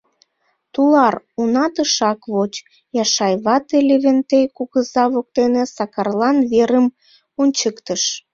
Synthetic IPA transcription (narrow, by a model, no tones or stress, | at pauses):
t̪ulɑr | unɑt̪əʃɑkβot͡ɕ | jɑʃɑjβɑt̪eleβent̪ejkuɣəzɑβok̚t̪enesɑkɑrlɑnβeɾəm | onʲt͡ɕəkt̪əʃ